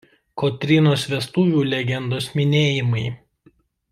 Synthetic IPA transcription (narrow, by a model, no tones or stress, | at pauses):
kɔt̪ʲɾʲɪnoːsʋʲɛst̪uːʋʲuːlʲɛɡʲɛnd̪oːsmʲɪnʲeːjɪmɐɪ